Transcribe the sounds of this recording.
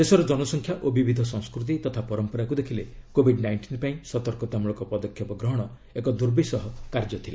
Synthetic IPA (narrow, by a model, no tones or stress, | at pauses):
sesɔɾɔd͡ʒɔnɔsɔŋkʰjaʔobibid̪ʱɔsɔ̃ŋskɾut̪̬it̪ɔt̪ʰapɔɾɔmpɔɾakud̪ekʰilekobʱiɖnajɳʈinpaĩsɔt̪ɔɾkɔt̪amuɭɔŋkɔpɔd̪ɔkʰjɔpɔɡɾɔɦɔɽ̃ɔ | ekɔd̪uɾbisɔɦɔkaɾd͡ʒɔt̪ʰila